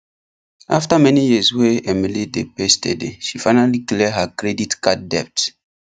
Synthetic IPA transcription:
ʔa̰ftamɛnijisweɛmilidepɛstʰɛ̰deʃifaɪnalikliɛɦakɹɛditkat̚dɛp̚t

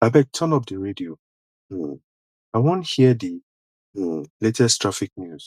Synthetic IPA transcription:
abɛk̚tʰənɔp̚dəɹedio | aɪwõnthiədi | letɛstʰɹafik̚njuz̥

